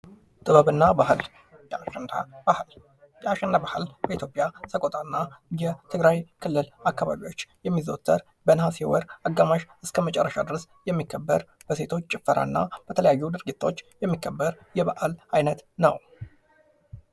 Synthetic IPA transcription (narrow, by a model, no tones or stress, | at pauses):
t̪ʼɨβəβɨnːabahl | j | jɛaʃɛnd̪abahɨlbəit̪ʰjo̞pʼjasəkʼot̪ʼanːajɛt̪ʰɨɡɾajkʰɨlːɨlakːaβa̰βio̞t͡ʃːjɛmːizot̪ʰːəɾ | bənhashewɔɾaɡːamaʃɨskʰəmət͡ʃʼɛ̰rːəʃa̰d̪ɨɾs | jɛmːikʰːəbːəɾ | b̥əse̞t̪ʰo̞t͡ʃːt͡ʃʼɪfːəɾʔa̰nːa̰b̥ət̪ʰələjajːud̪ɨɾɡit̪ʰːaot͡ʃːjɛmːikʰːəbːəɾ | jɛβa̰ʔalajnət̪nə̰w